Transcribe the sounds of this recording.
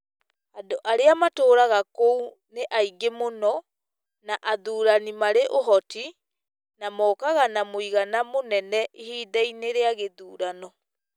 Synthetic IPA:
adoʔaɾeamatoːɾaɣakou | neʔaiɡemonɔ | naʔaðuːɾanimaɾeʔoɦɔti | namɔːkaɣanamoiɣanamonɛnɛʔihiːdaineɾeaɣeðuːɾanɔ

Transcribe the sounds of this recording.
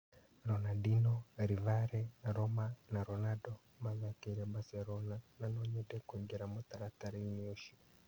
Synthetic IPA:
ɾɔnaɗinɔɾivaɾɛɾɔmanaɾɔnadɔ | bazakɛɾɛbasɛɾɔnananɔɲɛdɛkwɛŋɡɛɾamɔt̪aɾat̪aɾiniɔʃi

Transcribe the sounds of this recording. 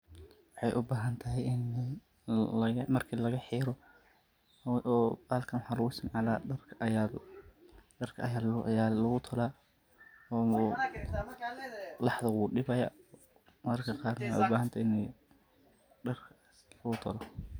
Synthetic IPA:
wɑħɑjʔʊbaːɦɐnt̪ʰɐɦɛjɪn | ɐɣɐmɐrkʰilɐɣɐħiːɾɔ | ʔɔːbaːlkʰɐnwħɑːlʊɣʊɪsmʕɑla̰ːɐrkʰj | ɖɐrkʰɐɐjaːjaːlɐɣʊt̪ʰʊlaː | ɔː | lɑħd̪ɐwuːɗɪbɐjɐ̰ | mɐrkʰɐqɑːrnɐwħɑ̰jʊbaːɦɐnt̪ʰaɪnɛ | ɖɐrkʰ | lɐɣʊt̪ʰɔlɔ

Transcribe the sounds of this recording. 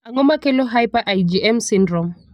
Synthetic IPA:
aŋɔmakɛlɔɦajpaʔajid͡ʒiɛmsindrɔm

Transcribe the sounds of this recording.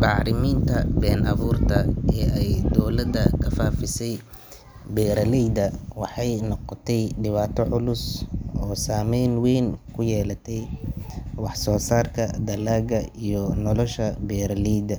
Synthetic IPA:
bɑʕɾɪmiːnt̪ʰɐbɛːnʔɑβuːrt̪ʰɐɛːɛjd̪ɔwlɐd̪ɐkʰɐfaːfɪsɛj | bɛːɾɐlɛjd̪ɐwɑħɑjnɔqɔt̪ʰɛjɖɪβaːt̪ʰɔʕʊlʊsɔːsaːmɛjnwɛjnkʰʊjɛːlɐt̪ʰɛj | wɑħsɔːsaːrkʰɐd̪ɐlaːɡɐijɔnɔlɔʃɐbɛːɾɐlɛjd̪ɐ

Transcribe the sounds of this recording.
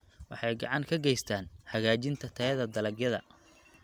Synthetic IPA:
wɑħɑjɡɑʕɑŋkʰɐɡɛjst̪ʰaːnħɐɣaːt͡ʃɪnt̪ʰɐt̪ʰɐɐðɐd̪ɐlɐɡjɐðɐ̰

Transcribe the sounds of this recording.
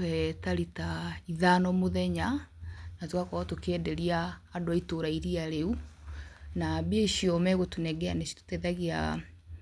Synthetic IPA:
wɛtaɾitaiðanɔmoðɛɲanatwakɔtokɛːdɛɾiaːdoaitoɾaiɾiaɾeu | nabeeiʃiɔmɛɣotunɛɡɛanɛʃto̥tɛðaɣia̰

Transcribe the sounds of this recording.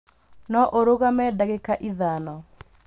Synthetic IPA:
nɔʔoɾoɣamɛdaɣekaʔiðanɔ

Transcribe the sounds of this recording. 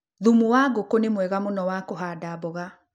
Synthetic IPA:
ðumuwaɡokonemwɛɣamonɔwakoɦaːdaboɣa

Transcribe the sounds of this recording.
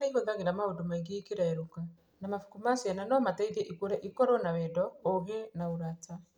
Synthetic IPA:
aiβoðaɣeɾamaodomaiɣikeɾaɛɾoka | namafukumasiananɔmataiðeʔikuɾɛʔikɔɾɔnawɛdɔoɣenauɾata

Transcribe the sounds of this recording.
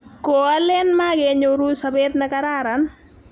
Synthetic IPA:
koalɛnmaɡɛɲoɾusabɛt̪nakaɾaɾan

